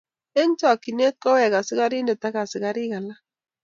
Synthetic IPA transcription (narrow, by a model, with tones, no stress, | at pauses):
e˦n˦tɔ˨kːi˨ne˦t̚kɔ˦wɛ˨ka˨sɪ˦ka˦ɾi˦ndɛ˨ta˦ka˨sɪ˨ka˦ɾɪ˦ka˨la˦